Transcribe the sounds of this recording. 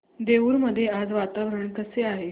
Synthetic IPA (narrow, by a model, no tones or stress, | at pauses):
d̪euːɾməd̪ʱːjead͡zʋat̪aʋɾəɳkəseaɦe